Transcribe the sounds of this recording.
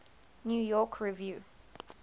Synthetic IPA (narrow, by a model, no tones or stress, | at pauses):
njuːjɔˑkʰɹivjuː